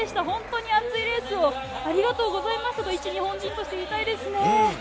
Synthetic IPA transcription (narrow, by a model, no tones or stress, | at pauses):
eɕi̥t̪aɦõ̞nt̪o̞ːɲ̟iat͡sɨiɾe̞ːsɨoaɾʲiɡat̪o̞ːɡo̞zaimasɨ̥hot̪oit͡ɕiɲ̟ihõ̞ɲ̟d͡ʑĩnt̪o̞ɕi̥t̪eit̪aid̪e̞sɨne̞